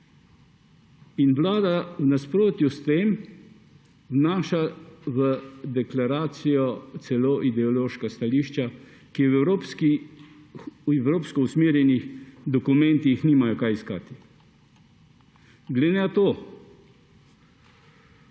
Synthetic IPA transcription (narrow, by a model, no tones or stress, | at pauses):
inwlaːd̪awnaspɾoːt̪just̪eːm | wnaːʃaʋəd̪ɛklaɾaːt̪sijɔt̪sɛloːʔid̪ɛɔloːʃkast̪aliːʃt͡ʃa | kiwɛɾopski | ɛwɾoːpskɔusmeːɾjɛnixd̪ɔkumɛnt̪ixniːmajɔkajiskaːt̪i | ɡled̪nɛat̪oː